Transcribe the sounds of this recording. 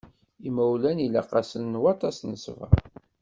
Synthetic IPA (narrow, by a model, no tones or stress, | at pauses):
imæwlænilæ̰qɑsəlnwɑt̪ˤɑsnəsvə̰ɾ